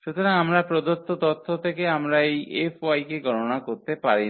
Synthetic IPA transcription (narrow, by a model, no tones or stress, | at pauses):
ʃut̪oɾaŋamɾapɾod̪ot̪ːot̪ɔt̪ʰːot̪ʰekeamɾaejefʰajkeɡʱɔɾonakoɾt̪epaɾi